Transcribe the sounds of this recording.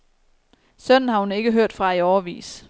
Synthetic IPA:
sœnn̩hɑ̈hune̝ɡ̥əɦøɐ̰d̥fʁɑ̈iɒʊɐʋḭːs

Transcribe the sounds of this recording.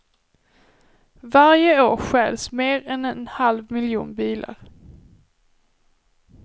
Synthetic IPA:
vaɾjəoːɾɧɛːlsmeːɾɛnɛnhalvmɪljṵːnbiːla̰ɾ

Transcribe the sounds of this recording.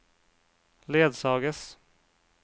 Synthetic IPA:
leːd̪sɑːɡəs

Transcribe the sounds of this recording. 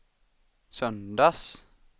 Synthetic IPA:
sœnd̪ɑs

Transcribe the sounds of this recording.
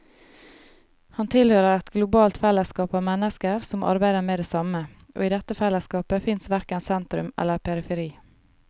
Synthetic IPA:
hɑnt̪ʰɪlhøːɾəɾɛt̪ɡlʊbɑːlt̪fɛləskɑːpɑːʋmɛnəskəɾsɔmʔɑ̰ɾbæɪd̪əmeːd̪eːsɑmə | ʔo̰ːiːd̪ɛt̪əfɛləskɑːpəfɪnsʋæɾkənsɛnt̪ɾʉmɛ̰ləɾpʰɛɾɪfɛɾiː

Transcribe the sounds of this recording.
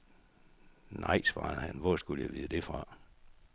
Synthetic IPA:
nʔɑ̈ɪsʋɑ̰̈ːðˠhænʋɒsɡ̥uljaɪʋiːðˠəd̥e̝fʁɑ̈

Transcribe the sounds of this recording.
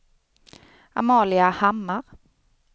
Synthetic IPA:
a̰mɑːlɪahamːaʁ

